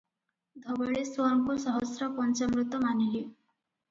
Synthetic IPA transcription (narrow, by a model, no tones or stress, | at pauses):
d̪ʱɔbɔɭeswɔɾŋkusɔɦɔsɾɔpɔnt͡ʃamɾut̪ɔmanili